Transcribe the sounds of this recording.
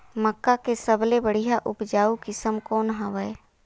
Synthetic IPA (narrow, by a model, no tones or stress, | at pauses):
məkːakesəblebəɽ̤ijaʔʊpd͡ʒaːukɪsəmkɔːnɦaʋəe